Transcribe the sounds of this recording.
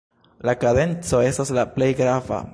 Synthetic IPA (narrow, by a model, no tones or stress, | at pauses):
lakade̞nt͡so̞e̞staslaple̞jɡɾava̰